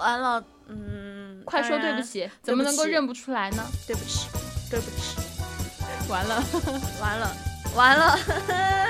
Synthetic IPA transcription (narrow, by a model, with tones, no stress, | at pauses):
wa˧˥nlə˧ | n̩˥˩kʰwa˥˩ɪʂwo˥t̪we˥˩ɪbu˩ɕɛ˨˥˦t͡sə˨˩mə˦nɤ˧˥ŋko˥˧ʊɻə˥˩npu˧˩ʈ͡ʂʰu˥la˧˥ɪnə˧t̪we˥˩ɪpu˨˩ʈ͡ʂɻ̩˥˩t̪we˥˩ɪpu˧˩ʈ͡ʂ̩˥˩ | wa˧˥nlə˧wa˧˥nlə˧wa˧˥nlə˧